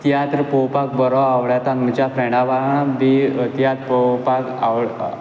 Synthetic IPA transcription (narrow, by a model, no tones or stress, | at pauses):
t̪jat̪ɾəpɔwpak̚bəɾɔaʋɭjat̪aŋɡt͡ɕjafɾɛɳaʋaɳd̪it̪jat̪pɔpaka̰w